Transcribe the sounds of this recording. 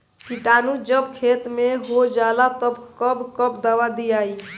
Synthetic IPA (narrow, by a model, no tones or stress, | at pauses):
kiʈaːnud͡ʒəbkʰeːt̪meɦod͡ʒaːlat̪əbkəbkəp̚d̪awad̪iaːi